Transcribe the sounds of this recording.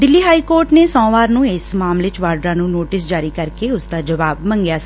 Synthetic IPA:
d̪ɪlːiːɦaːiːkoːɾʈneːsɔ̃ːʋaːɾnũːɪsmaːmleːt͡ʃʋaːɾɖɾãːnũːnoːʈɪs̬d͡ʒaːɾiːkəɾkeːʊsd̪aːd͡ʒəʋaːbmə̃ŋɡjaːsi̥ː

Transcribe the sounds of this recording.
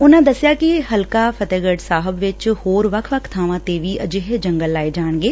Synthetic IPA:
ʊnãːd̪əsɪjaːkɪɦəlkaːpʰət̪eːɡəɖsaːɦəbʋɪt͡ʃhoːɾʋəkʰʋəkʰt̪ʰaːʋãːt̪eːʋiːʔəd͡ʒɪɦed͡ʒəŋɡəlːaːid͡ʒaːɳ̃ɡeː

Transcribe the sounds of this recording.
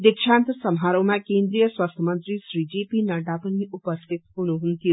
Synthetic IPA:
d̪ekʃant̪sɐmɦaɾowmãkend̪ɾijəswast̪ʰəmənt̪ɾisɾid͡ʒepinɐɖapənːiupəst̪ʰit̪ɦuɽ̃uɦunt̪ʰiju

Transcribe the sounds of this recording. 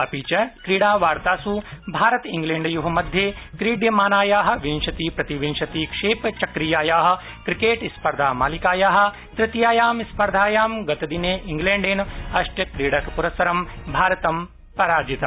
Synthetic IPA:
ɐpiːt͡ʃɐkɾiːɽaːʋaːɾt̪aːsubʱaːɾɐt̪iŋɡleːɳɖjuɦɐmɐd̪ʱjeːkɾiːɖjɐmaːnaːjaːɦɐ̆ʋinʃɐt̪iːpɾɐt̪iʋinʃɐt̪iːkʂeːpt͡ʃɐkɾijaːjaːɦɐ̆ | kɾikeːʈispɐɾd̪ʱaːmaːlikaːjaːɦɐ̆ | t̪ɾɪt̪jaːjaːmispɐɾd̪ʱaːjaːmɡɐt̪ɐd̪ineːʔiŋɡleːɳɖeːnɐʃʈjɐkɾiːɽɐkpuɾɐsɐɾɐmbʱaːɾɐt̪ɐm | pɐɾaːd͡ʒit̪ɐ

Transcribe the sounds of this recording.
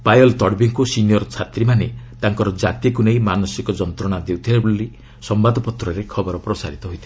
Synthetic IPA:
pajɔlt̪ɔɽbiŋkusinijɔɾt͡ʃʰat̪ɾimanet̪aŋkɔɾɔd͡ʒat̪ikuneimanɔsikɔd͡ʒɔnt̪ɾɔɽ̃ad̪ewt̪ʰibabuli | sɔmbad̪ʱɔpɔt̪ɾɔɾekʰɔbɔɾɔpɾɔsa̰ɾit̪ɔɦojt̪ʰi

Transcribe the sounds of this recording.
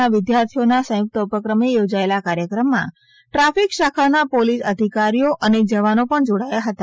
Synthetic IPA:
aʋɪd̪jaɾt̪ʰijonasə̃jʊk̚t̪əupəkɾəmejod͡ʒaelakaɾjəkɾəmːã̰ | ʈɾafikʃakʰanapolisəd̪ʱikaɾijoʔəned͡ʒəʋanopəɳd͡ʒoɽajaɦət̪a

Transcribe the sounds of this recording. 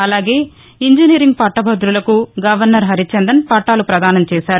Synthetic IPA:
ɐlaːɡeː | iɲd͡ʒiniːɾiŋɡpɐʈːɐbʱɐd̪ɾulɐkuɡɐʋɐɾnɐɾɦɐɾit͡ʃɐnd̪ɐnpɐʈːaːlupɾɐd̪aːnɐmt͡ʃɛːʃaːɾu

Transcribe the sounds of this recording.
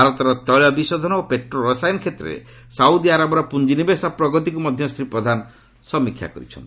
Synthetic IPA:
bʱaɾɔt̪ɔɾɔt̪ɔjɭɔbisɔd̪ʱɔnɔopeʈɾoɾɔsajnkʰet̪ɾḛ | saud̪iaɾabɔɾɔpund͡ʒinibesapɾɔɡɔt̪̬ikumɔd̪ʱjɔst̪ɾipɾɔd̪ʱanɔ | sɔmikʰja̰kɔɾḭt͡ʃʰɔ̰nt̪i

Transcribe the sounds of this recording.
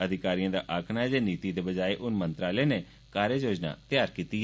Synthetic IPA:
əd̪ʱɪkaːɾijãːd̪a̰ːʔaːkʰnaːɦɛd͡ʒeːniːt̪iːd̪eːbəd͡ʒaːeːʔʊnmənt̪ɾaːleːneː | kaːɾeːjoːd͡ʒna̰ːt̪ɪjaːɾkiːt̪iː

